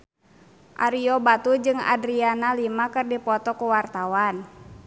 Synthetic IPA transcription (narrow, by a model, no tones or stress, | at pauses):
ʔa̰ɾiɔbat̪ud͡ʒɨŋa̰dɾianalimakɨrdipɔt̪ɔkuwart̪awan